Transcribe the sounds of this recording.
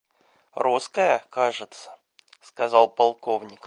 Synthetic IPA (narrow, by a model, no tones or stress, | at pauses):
ɾuskəjəkaʐɨt̪sə̥ | skɐzɑlˠpɐlˠkovnʲɪk